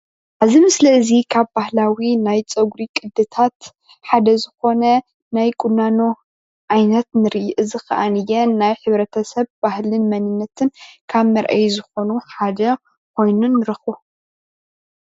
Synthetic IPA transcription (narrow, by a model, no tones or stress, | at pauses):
ʔazimɨslɐɨzikʰaβbahlawinajt͡sʼɐɡɾikʼɨd̪ːɨt̪ʰat̪ | ħad̪ɐzɨxo̞nɐ | najkʼunːano | ʔajnɐt̪nɨɾɨjʔɨzɨxɐʔanɨjɛnajħɨβɾɐt̪ʰɐsɐβbahlɨnmɐnɨnːɐt̪ʰɨnkʰaβmɐɾʔa̰jzɨxo̞nuħad̪ɐ | kʰʷo̞jnunːɨɾɐxu